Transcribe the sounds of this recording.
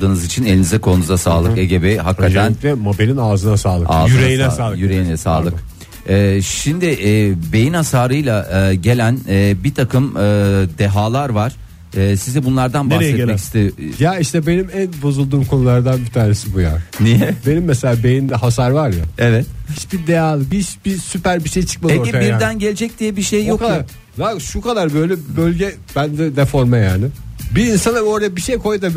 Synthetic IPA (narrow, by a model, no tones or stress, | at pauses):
d̪ɯːnɯzit͡ʃʰine̞lʲinizɛkʰo̞nuzasaːlˠɯke̞ɟe̞bɛɦak̪ːat̪ʰænlɛmobelʲinaːzɯnasaːlˠɯaːyɾejijyɾejinlʲɛsaːlˠɯkk | ɛːʃimd̪ɪʔːbe̞jinhasaːɾɯjlˠaɟe̞lʲænɛːbit̪ʰakʰɯmɯd̪e̞ɦaːlˠaɾvaɾ̥ | ɛːsizɛbunlˠaɾd̪anb̪aɾsɛtmɛci̥st̪ʰejjaiʃt̪ʰɛbe̞nimænbo̞zulˠd̪uːmkʰonulˠaɾd̪anbit̪ʰaːnesibujanijɛbe̞nimːɛselʲaːbe̞jimd̪ɛɦasaɾvaɾja̰evɛt̪hit͡ʃbid̪ejaːlˠɯbit͡ʃbisypæɾbiʃejt͡ʃʰɯ̥k̚maeoibiɾd̪ænɟelʲed͡ʒɛc̚d̪ijɛbiʃejjok̪a | d̪akʃukad̪aɾbø̞jlʲɛbbølʲɟɛ | b̥ænd̪ɛd̪ɛfo̞ɾmajaːnɪbiːnsanao̞ɾajabiʃejkʰo̞jd̪a